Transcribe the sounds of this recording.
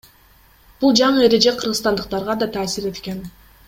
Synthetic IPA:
b̥ulˠd͡ʒɑɴɯe̞ɾe̞d͡ʒe̞qʰɯɾʁɯst̪ɑnd̪ɯq̚t̪ɑɾʁɑd̪ɑt̪ʰɑːsiɾe̞t̪ken

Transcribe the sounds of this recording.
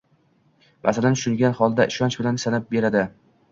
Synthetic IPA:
mʔa̰salant̪ʊ̥ʃʊŋɡʲanχɒlˠd̪aʔɪʃɒnt͡ʃbɪlansanap̚be̞ɾad̪ɪ

